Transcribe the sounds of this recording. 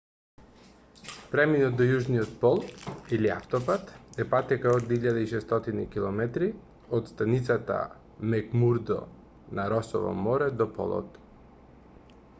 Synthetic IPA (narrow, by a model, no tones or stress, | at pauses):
pɾɛminɔt̪̚d̪ɔjuʒnijɔt̪̚pɔlˠilia̰ft̪ɔpat̪ɛpat̪ɛkaod̪iʎːad̪aiʃɛst̪ɔt̪inikilˠɔmɛt̪ɾi | ot̪st̪anit̪sat̪a̰ | mɛkmuɾd̪ɔ̰ | naɾɔsɔ̰vɔ̰mɔɾɛd̪ɔpɔ̰lˠɔ̰t̪